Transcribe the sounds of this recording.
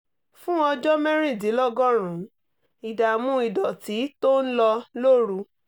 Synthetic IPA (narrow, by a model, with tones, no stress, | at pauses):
fũ˦ɔ˧d͡ʒɔ˦mɛ̃˦ɾ̃ĩ˦˨di˨˦lɔ˦ɡɔ̃˦ɾ̃ũ˨˦ | i˨da˨mũ˧˦i˨dɔ˨ti˨˦to˦n̩˦lɔ˧lo˦ɾu˧˦